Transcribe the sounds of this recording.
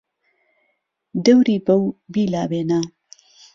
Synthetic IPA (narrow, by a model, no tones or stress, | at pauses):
d̪ɐwɾiːbɐwbiːlaːbeːnaː